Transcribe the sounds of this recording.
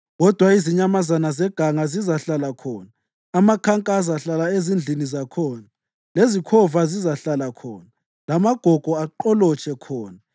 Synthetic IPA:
ɣɔd̥ʱwaiziɲamazanazɛɡ̥ʱaŋazizaɬalakʰɔːnaː | makʰaŋkʼas̬aɬalaezind͡ɮʱinizakʰɔːna | lezikʰɔvazizaɬalakʰɔːna | lamaɡ̥ʱɔɡ̥ʱɔaǃɔlɔt͡ʃʰʼɛkʰɔːna

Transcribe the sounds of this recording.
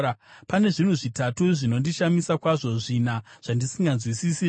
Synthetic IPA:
pane̞ʐin̤uʐitatuʐino̞ndiʃamisakwaʐo̞ʐinaʐ̥andisiŋɡanzwisisi

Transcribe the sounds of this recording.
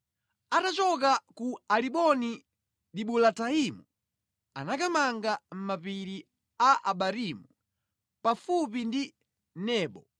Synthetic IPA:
atat͡ʃɔk̬akualiɓɔni | ɗiɓulataimu | a̰nakamaŋɡam̩mapiɾi | aʔa̰ɓaɾimu | pafup̬indi | nɛːɓɔ

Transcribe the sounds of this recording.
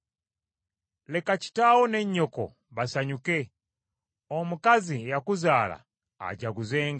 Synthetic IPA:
lekat͡ʃi̥tawɔneɲːɔko̰ | basaɲuke | omukazijakuzala̰ | a̰ɟaɡuzeːŋɡa

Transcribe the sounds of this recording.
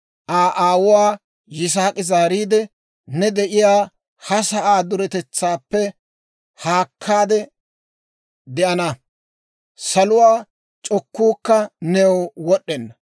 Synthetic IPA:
ʔaːʔaːwʊwaː | jɪs̬aːkʼɪzaːɾiːd̪ɛ | nɛd̪ɛʔɪjaː | hɐsɐʔaːd̪ʊɾɛt̪ɛt͡sːaːpːɛ | haːkʰːaːd̪ɛ | d̪ɛʔɐnɐ | sɐlʊwaː | t͡ʃʼɔkːuːkːɐnɛwwɔɗːɛnːɐ

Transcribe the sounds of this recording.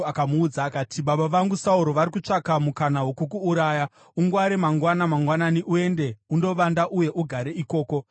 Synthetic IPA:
akamuːd͡zaːkaːtʰiɓaɓaʋaŋɡusauɾo̞ʋaɾikut͡ʂakamukanawo̞kuk̬uːɾaːja | uŋɡwaɾemaŋɡwanamaŋɡwananiʔue̞nde̞undo̞ʋandaʔuje̞ʔuɡʱaɾe̞iko̞ːko̞

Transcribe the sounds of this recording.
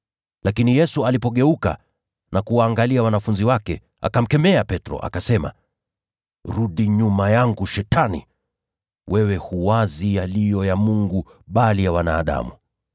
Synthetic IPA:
lakinijɛsualipɔɠɛuka̰ | nakuwaːŋɡaliawanafunziwakɛ̰ | a̰kam̩kɛmɛapɛtɾɔ̰ʔa̰kasɛma̰ | ɾuɗiɲumajaŋɡuʃɛtanḭ | wɛwɛhuwazijalijɔjamuŋɡu | ɓalijawanaːɗa̰mu

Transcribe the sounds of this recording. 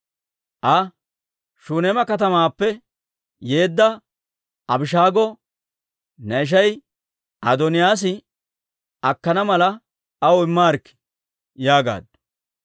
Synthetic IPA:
ʔɐ | ʃuːnemɐkɐt̪ɐmaːpːɛ | je̞ːd̪ːɐ | ɐbɪʃ̬aːɡɔ | nɐɪʃ̬ɐj | ʔɐd̪ɔnɪjaːs̬ɪ | ɐkːɐnɐmɐlɐ | ɐwɪmːaːɾkːɪ̥ | jaːɡa̰ːd̪̚

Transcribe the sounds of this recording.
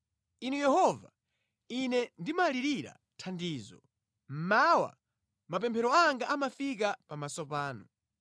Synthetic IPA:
inujɛhɔva̰ | inɛndimaliɾiɾa̰ | tʰandiːzɔ̰ | m̩mawa̰ | mapɛmpʰɛɾɔaŋɡaʔamafik̬apamasɔpaːnɔ

